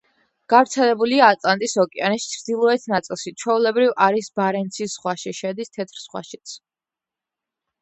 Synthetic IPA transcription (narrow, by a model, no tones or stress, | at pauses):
ɡ̥avɾt̪sʰɛlɛbuliaːt̪ʼlant̪ʼisɔkʼɛanist͡ʃʰɾd̪ilˠɔɛt̪ʰnat̪sʼilˠʃit͡ʃʰwɛulɛbɾivaɾisbaɾɛnt̪sʰisʁwaʃiʃɛd̪ist̪ʰɛt̪ʰɾsʁ̥wa̰ʃit̪sʰ